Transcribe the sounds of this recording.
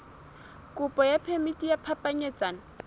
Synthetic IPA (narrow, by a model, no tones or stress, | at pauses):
kʼʊpʼɔjapʰemitʼijapʰapʼaɲeːt͡sʼaːn